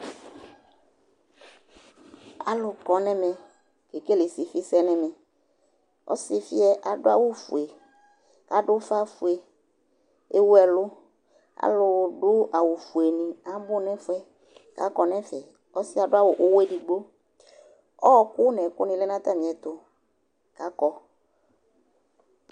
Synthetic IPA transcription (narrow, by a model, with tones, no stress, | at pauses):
a̰˨lʊ˨kɔ˨nɛ̃˦mɛ̃˨ | ke˨ke˦le˨si˨fi˦sɛ˦nɛ̃˦mɛ̃˨ | ɔ̰˦si˦fi˦ɛ˦ʔa˨ɖʊ˦a˦wʊ˦fṵ˨e˨ | ka˦ɖʊ˦fa˦fu˨e˨ | e˦wu˦ɛ˨lʊ˦ | a̰˨˦lʊ˨ɖʊ˦a˨wu˨fu˨e˨nĩ˨a˦bʊ˦nɛ̃˦fʊ˦ɛ˦ | ka̰˦kɔ˨nɛ̃˦fɛ˨ | ɔ˦sɪ˦a˨ɖʊ˦a˦wʊ˨ʔʊ˦wɛ˦di˨ɡ͡bo˦ | ɔ˦kʊ˦nɛ̃˨kʊ̰˦nĩ˨lɛ˦nã˦t̪a˦mĩ˨ɛ˨t̪ʊ˦ | ka˨˦kɔ˨